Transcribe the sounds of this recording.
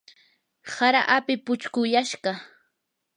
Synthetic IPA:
saɾaʔapɪpʊt͡ʃkʊjaʃɢɑ

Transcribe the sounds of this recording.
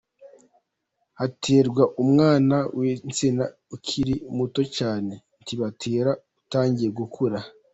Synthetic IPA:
hatʰeːɾɡwaʔumŋaːnawʔent͡sina | ukʰiɾimuto̞caːne̞ | ntʰiβatʰeːɾautaːɲɟijeɡukʰuɾa

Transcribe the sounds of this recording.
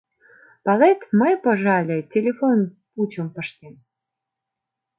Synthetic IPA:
pɑlet̪məjpoʒɑlʲĕtʲelʲefon | put͡ɕəmpəʃt̪em

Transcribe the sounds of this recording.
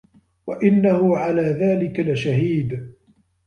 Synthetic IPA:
waʔɪnːahʊʕalaːðaːlɪkalɪʃaɦiːd̪

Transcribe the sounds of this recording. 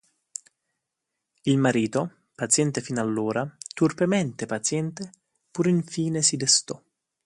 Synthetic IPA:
ilmaɾiːt̪o | pat̪sjɛnt̪efinalːoːɾat̪urpemɛnt̪epat̪sjɛnt̪e | puɾiɱfiːnesid̪est̪ɔ

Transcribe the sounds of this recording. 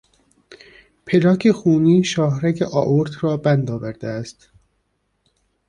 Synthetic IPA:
pʰelɒːkʰexuːniːʃɒːhɾækʰeʔɒːʔoɾt̪ʰɾɒːbænd̪ɒːvæɾd̪eæst̪

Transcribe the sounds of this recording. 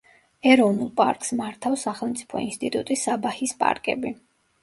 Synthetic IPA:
ɛɾɔvnulˠpʼa̰ɾkʼsmaɾt̪ʰafsaχɛlˠmt̪sʼi̥pʰɔ̰ḭnst̪ʼit̪ʼut̪ʼisːabahispʼa̰ɾkʼɛ̰bi

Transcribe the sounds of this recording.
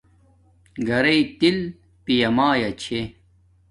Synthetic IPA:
ɡɐɾɐit̪il | pijɐmaːjɐt͡ɕʰe

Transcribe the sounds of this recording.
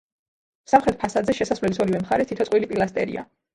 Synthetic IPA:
samχɾɛt̪̚pʰasad̪zɛʃɛsasvlɛlisɔɾivɛmχaɾɛt̪ʰit̪ʰɔt̪sʼwilipʼilˠast̪ʼɛ̰ɾḭa̰

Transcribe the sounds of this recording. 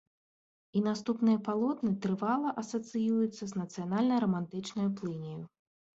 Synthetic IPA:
inast̪upnɨjɐpalˠɔt̪nɨt̪ɾɨvalˠɐʔɐsɐt̪sɨjujut̪sːɐznɐt̪sɨjanalʲnɐjɾɐmant̪ɨt͡ʂnɐjuplˠɨnʲiju

